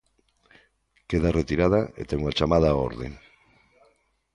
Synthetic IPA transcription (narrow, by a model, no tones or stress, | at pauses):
keðaret̪iɾaðaḛt̪ɛŋoat͡ʃamað̞ao̰ɾðeŋ